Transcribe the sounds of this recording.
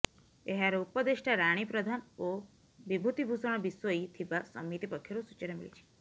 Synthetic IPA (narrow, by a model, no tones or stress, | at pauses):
eɦaɾeupɔd̪eʃʈʰaɾaɽ̃ipɾɔd̪ʱano | bibʱut̪ibʱusɔɽ̃ɔbisʋoit̪ʰiʋasɔ̰mit̪ipɔkʰjɔɾusut͡ʃəɾemḭɭḭt͡ʃʰe̥